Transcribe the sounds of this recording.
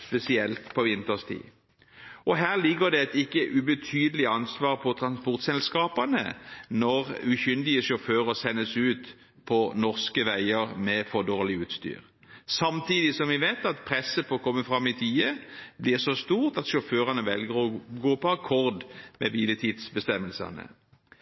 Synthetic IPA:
spɛsɪɛlt̪pʰɔʋɪnt̪əʁst̪ʰḭː | ɔɦæːʁlɪɡəʁd̪ɛɛt̪ɪkːəʔʉbət̪ʰyːd̪əlɪɑnsʋɑːʁpʰɔt̪ʰʁɑnspɔʁt̪sɛlskɑːpɑnə̰nɔʁʉçʏnd̪ɪəʃɔføːʁəsɛnːəsʉːt̪ | pʰɔnɔʁskəʋæɪəʁmɛfɔd̪oːʁlɪʉːt̪st̪y̰ːʁ | sɑmt̪ʰiːd̪ɪsɔmʋɪʋeːt̪ɑt̪pʰʁɛsːəpʰɔkʰɔmːəfʁɑmːɪt̪ʰiːəblɪːʁsɔst̪uːʁt̪ɑt̪ʃɔføːʁɑnəʋɛlɡəʁɔɡoːpɔɑkʰɔʁd̪mɛbiːlət̪ʰiːd̪sbəst̪ɛmːəlsɑ̰nə̰

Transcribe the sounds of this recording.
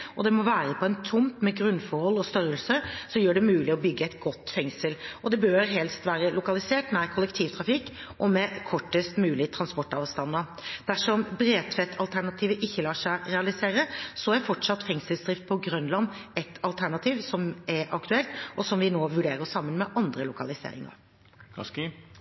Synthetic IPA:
ʔɔd̪ɛmɔʋæːɾəpʰɔɛnt̪ʰʊmt̪mɛɡɾʉnfɔɾhɔlːɔst̪œɾəlsəsɔjøːɖɛmʉːlɪɔbʏɡːəɛɪt̪ɡɔt̪ːfɛŋsəlɔd̪ɛbøːɾɦɛlst̪ʋæːɾəlʊkɑlɪseːʈnæɪkʰʊlɛkt̪ʰiːʋt̪ʰɾɑfɪkː | ʔɔmɛkʰɔʈːəst̪mʉːlɪt̪ʰɾɑnspɔʈɑːʋst̪ɑnːə | d̪̥æʂɔmbɾeːt̪ʰfɛt̪ʰːɑlt̪ʰæɳɑt̪ʰiːʋəʔɪçːəlɑːʂæɪɾɛɑlɪseːɾəsɔæɾfɔʈʂɑt̪ːfɛŋsəlsd̪ɾɪft̪̚pʰɔɡɾœnlɑnɛt̪ʰɑlt̪ʰæɳɑt̪ʰiːʋsɔmɛɾʔɑkt̪ʉɛlt̪ɔsɔmʋɪnoːʋʉɖeːɾəsɑmːənmɛʔɑnd̪ɾəlʊkɑlɪsḛːɾɪ̰ŋə̰ɾ

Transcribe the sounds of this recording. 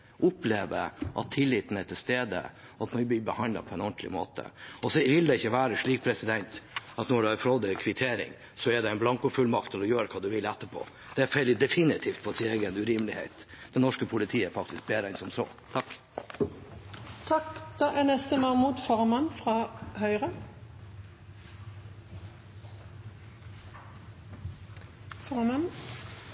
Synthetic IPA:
ʔʊpleːʋə̰ʔɑ̰t̪ʰːɪlːɪːt̪ən̩ɛt̪ʰɪlst̪eːd̪ə̰ | ɑt̪mɑb̪ibəhɑndlɑ̰pʰɔɛnɔnt̪ʰlɪ̰mo̰ːt̪ə̰ɔsɔʋɪld̪ɛɪçːəʋæːɾəʂɭiːk̚pʰɾɛsɪd̪ɛnt̪ɑt̪nɔɖʉhɑɾfɔɾɔd̪əkʰʋɪt̪ʰeːɾɪ̰ŋ | sɔɛɖ̪ɛɪnblɑŋkʊfʉlmɑkt̪ʰːɪlɔjøːɾəkʰɑːd̪ʉʋɪlɛt̪ːəpʰo̰ː | d̪̥ɛæɾfɛlɪd̪ɛfɪnɪt̪ʰiːft̪fʰɔsɪeɪɡənʉɾiːmlɪhḛɪt̪d̪̥ɛnɔʂkəpʰʊlɪt̪ʰiːəɾfɑk̚t̪ʰɪsk̚beːɾæɪnsɔmsɔ̰ː | t̪ʰɑkː | t̪ʰɑkd̪̥ɑːʔɛnɛst̪əmɑmuːd̪fɔʁmɑnfʁɑːhœʏʁə | fɔʁmɑn

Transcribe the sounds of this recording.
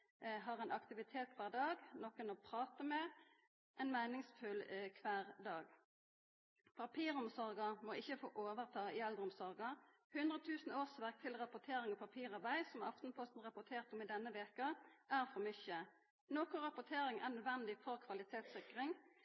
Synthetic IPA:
ɦɑːʁɛnʔɑkt̪ɪʋɪt̪ʰeːt̪̚kʰʋæːʁɖ̪ɑːɡnɔkənɔːpʰʁɑːt̪əmɛ | ʔɛnmæɪnɪŋsfʉlkʰʋæːʁd̪ɑːɡ | pʰɑpʰiːʁɔmsɔɾɡəmɔɪçːəfo̰ːʔoːʋəʁt̪ʰɑːɪɛld̪əʁɔmsɔɾɡə | hʉnd̪ʁət̪ʰʉːsn̩oːsʋæʁk̚t̪ʰɪlʁɑpʊt̪ʰeːɾɪŋɔpʰɑpʰiːʁɑbæɪsɔmɑ̰ft̪n̩pʰɔst̪n̩ʁɑpʊt̪ʰeːʁt̪ɔmɪd̪ɛnːəʋeːkɑʔæːʁfɔʁmʏçə | noːkʊʁɑpʊt̪ʰeːɾɪŋʔæʁnœd̪ʋɛnd̪ɪfɔʁkʰʋɑlɪt̪ʰeːt̪sɪkʁɪŋ

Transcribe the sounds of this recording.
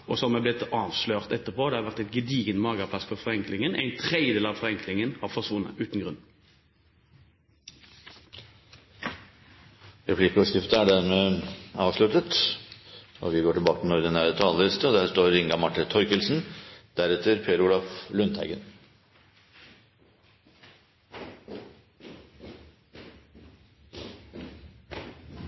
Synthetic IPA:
ʔɔsɔmæb̪ɪt̪ɑːʋsløːʁt̪ɛt̪ːəʁpʰoːd̪ɛːhɑːʋæʁt̪æɪt̪ɡəd̪iːɡənmɑːɡəpʰlɑsfɔʁfɔʁɛŋklɪŋənʔæ̰ɪnt̪ʰʁɛd̪jəd̪eːlɑːʋfɔʁɛŋklɪŋənhɑːʁfɔʁsʋʊnːə̰ʔʉːt̪n̩ɡʁʉn | ɾɛplɪːkəɔskɪft̪əæɖæɾmɛɑːʋʂlʉt̪ət̪ | ʔɔ̰ʋɪɡoːʈɪlbɑːkət̪ɪnɔɾd̪ɛnæːɾət̪ʰɑːləlɪst̪əɔd̪æːʂt̪oːɾɪŋɡɑmɑʈːət̪ʰɔʏkəlsn̩d̪̥æɾɛt̪ʰːəɾpʰeːɾuːlɑflʉnt̪hæɪɡən

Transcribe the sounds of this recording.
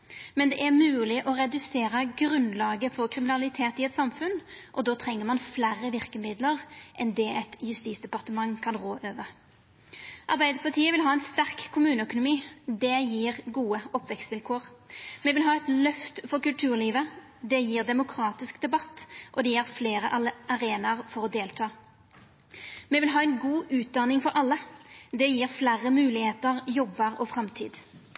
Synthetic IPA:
mɛnd̪ɛʔæʁmʉːlɪʔɔʁɛd̪ʉseːʁəɡʁʉnlɑːɡəfɔʁkʰʁɪmɪnɑlɪt̪ʰeːt̪ɪɛt̪sɑmfʉnʔɔd̪oːt̪ʰʁɛŋːəʁmɑnflæɾəʋɪʁkəmɪd̪ləʁʔɛnd̪ɛɛt̪jʉst̪iːt̪sd̪ɛpɑʁt̪əmɑŋːkʰɑnʁoːʔøːʋə | ʔɑʁbæɪd̪əpʰɑʁt̪ʰiːəʋɪlɦɑːɛnst̪æʁkkʰːʊmʉːnəœkʊnʊmiːd̪ɛjiːʁɡuːəɔpʋɛkst̪ʋɪlkʰoːʁmɛʋɪlɦɑːɛt̪lœft̪fɔʁkʉlt̪ʰʉːʁliːʋə | d̪ɛjiːʁd̪ɛmʊkʰʁɑːt̪ɪskd̪ɛbɑt̪ːʔɔd̪ɛjæːʁfleːʁəʔɑɑʁeːnɑʁfɔʁɔd̪eːlt̪ʰɑː | mɛʋɪlɦɑːɛɪnɡuːʔʉːt̪̚d̪ɑnɪŋfɔɾʔɑlːəd̪ɛjiːʁflæʁəmʉːlɪheːt̪əʁjɔbːəʁɔːfɾɑmt̪ʰḭːd̪

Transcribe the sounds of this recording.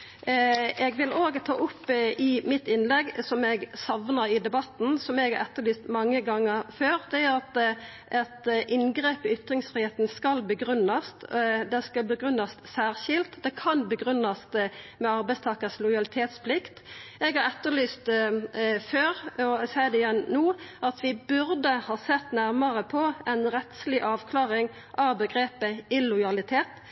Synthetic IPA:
ɛɡʋɪlʔoːɡt̪ʰɑːʔʊpːʔɪmɪt̪ɪnlɛɡsɔmɛɡsɑʋnəɾɪd̪ɛbɑt̪n̩sɔmɛɡhɑʁɛt̪ːəɾlyːst̪mɑŋːəɡɑŋːəɾføːʁd̪ɛæʁɑt̪ | ʔɛt̪ʔɪnɡɾeːpɪʏt̪ɾɪŋsfʁiːheːt̪n̩skɑlbəɡɾʉnːɑst̪d̪ɛskɑbəɡʁʉnɑst̪sæːʁʃɪlt̪d̪ɛkʰɑnbəɡɾʉnːɑst̪mɛɑɾbæɪst̪ʰɑːkəslʊɪjɑlɪt̪ʰeːt̪spʰlɪkt̪ɛɡhɑɾɛt̪ːəlyːst̪ | føːɾɔsæɪd̪ɛɪjɛnnoːʔɑt̪ʋɪbʉʁd̪əhɑːsɛt̪ːnæʁmɑʁəpʰɔʔɛnʁɛt̪slɪʔɑːʋkʰlɑːʁɪŋ | ʔɑʋbəɡɾeːpəɪlʊjɑlɪt̪ʰeːt̪

